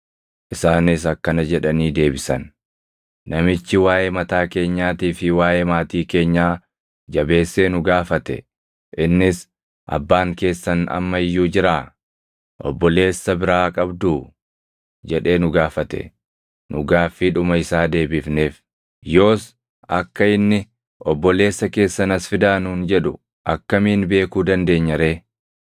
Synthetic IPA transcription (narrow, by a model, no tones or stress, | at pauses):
ʔɪsaːnɪsɐkːɐnɐd͡ʒɛᶑɐniːd̪e̞ːbɪsɐn | nɐmɪt͡ʃːɪwaːʔemɐt̪aːke̞ːɲːaːt̪iːfɪwaːjemaːt̪iːke̞ːɲːaː | d͡ʒɐbe̞ːsːe̞ːnʊɡaːfɐt̪ɛ̰ | ʔɪnːɪs | ʔɐ̰bːaːŋke̞ːsːɐnɐ̰mːɐɪjːuːd͡ʒɪɾaː | ʔɔ̰bːɔle̞ːsːɐbɪɾaːkʼɐbd̪uː | d͡ʒɛᶑe̞ːnʊɡaːfɐt̪ɛ̰ | nʊɡaːfːiᶑʊmɐɪsaːd̪e̞ːbɪfneːf | jo̞ːs | ɐkːɐɪnːɪ | ʔɔbːɔle̞ːsːɐke̞ːsːɐnɐsfɪd̪aːnuːnd͡ʒɛᶑʊ | ʔɐkːɐmiːnbe̞ːkuːd̪ɐnd̪e̞ːɲːɐɾe̞ː